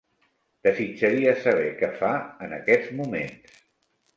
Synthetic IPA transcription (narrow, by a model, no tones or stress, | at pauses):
d̪̥əzit͡ʃəɾiəsəβ̞ɛkɛfaənə̰kɛd͡zmumḛns